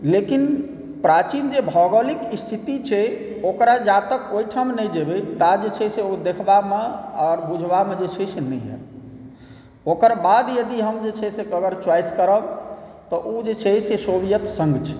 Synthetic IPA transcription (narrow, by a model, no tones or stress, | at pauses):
lekin | pɾat͡ʃind͡ʒebʱɔɡəlikist̪ʰit̪it͡ʃʰɛ | okɾad͡ʒat̪əkojʈʰəmnɛjd͡ʒebet̪ad͡ʒet͡ʃʰɛseod̪ekʰbameɔɾbud͡ʒʱbamed͡ʒet͡ʃʰɛsenɛ̰ɦɛ̰ | okəɾbad̪jəd̪iɦəmd͡ʒet͡ʃʰɛsekəɡəɾt͡ʃwajskəɾəbt̪ɔʔud͡ʒet͡ʃʰɛsesobijət̪sə̃ŋɡt͡ʃʰɛ̥